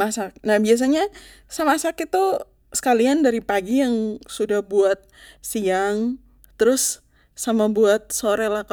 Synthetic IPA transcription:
masak̚nahbias̬aɲa | samasakit̪u | sə̥kaliandaɾipaɡijaŋsudahbuat̪̚siaŋ | t̪əɾʊsː | amabuat̪̚soɾɛlahk

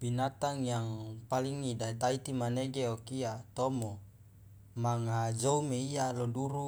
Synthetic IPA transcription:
binat̪aŋjaŋpaliŋːidait̪ait̪imaneɡeokiat̪omo | maŋad͡ʒoumeijaloduɾu

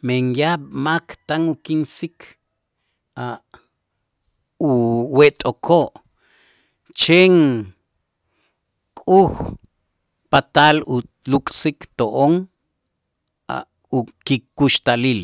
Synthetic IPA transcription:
meŋjaɓmakt̪aŋukinsikʰ | a | uweʔt̪ʼokʰoʔ | t͡ʃeŋ | kʼux | pat̪alu | lukʼsikt̪oʔoŋ | a̰ | ukikuʃt̪alil

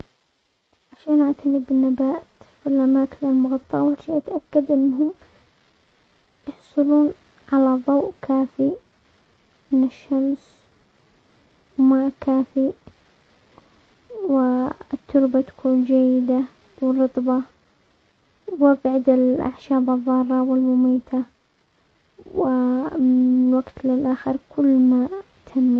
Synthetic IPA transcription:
ʕaʃaːnʔaʕt̪ʰanɪbɪnːabaːt̪filʔamaːkɪnalmʊɣɑt̪ˤːɑʔwaɾʃiʔat̪ʔakːad̪ʔɪnːɦʊm | jɑħsˤɑluːn | ʕalaðˤɑwʔkʰaːfi | ʔɪnːɪʃːams | maʔkaːfi | wɪt̪ːʊɾbat̪ḁkʰuːnd͡ʒajːɪd̪a | wɪrˤɨt̪ˤbɑ | wɪbʕɪd̪ɪlʔa̰ʕʃaːbɑðˤːɑːrˤːɑwɪlmʊmiːt̪ʰa | wɪɪwaɡt̪lɪlʔaːxɪɾkʰʊlːma | t̪ʰamːi

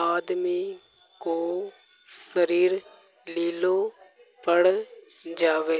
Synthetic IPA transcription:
aːd̪mi | koː | səɾiːɾ | liːloː | pəɽ | d͡ʒaːʋeː

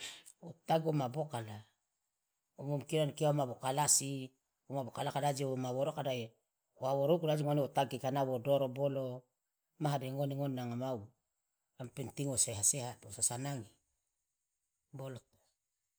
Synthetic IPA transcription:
otaɡomabokala | omomkiɾankiaomabokalasi | omabokalakadad͡ʒiomaβoɾokadaje | oaβoɾokudad͡ʒiŋoniotaɡikanaβodoɾobolo | maɦadeŋoniŋonːaŋamaw | ampentiŋosehasehatosasanaŋi | boloto̥

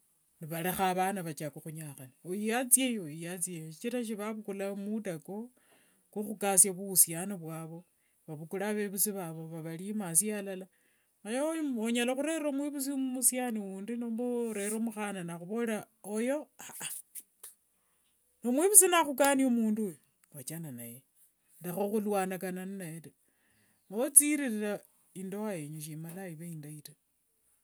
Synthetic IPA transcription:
niβalexaβanaβat͡ʃakoxuɲaxaniojijat͡sjejoijat͡sjejoʃit͡ʃiɾaʃ̬iβaβukulamutako | kuxukasjaβusjanoβwaːβo̞ | βaβukulaβeβusiβaβo̞βaβalimasialala | ajooɲalaxuɾeɾomwiβus̬immusjaniuːndinoːmboɾeɾomuxananaxuβola | ojo̞aʔa | nomwiβusinaxukaniomuːndu | wat͡ʃananaje | ndexoxulwaːnakanannaeta | maot͡siɾiɾila | indowaeɲuʃ̬imalaiβeindaita

